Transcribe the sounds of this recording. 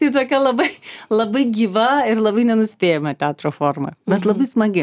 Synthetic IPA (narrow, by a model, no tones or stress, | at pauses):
iɪt̪oːkʲɛlˠɐbɐɪlˠɐbɐɪɡʲiːʋɐɪrlˠɐbɐɪnʲɛnʊsʲpʲeːjɛmɐt̪ʲɛɑːt̪ɾoːfoːrmɐ̰bʲɛt̪lˠɐbɐɪsmɐɡʲɪ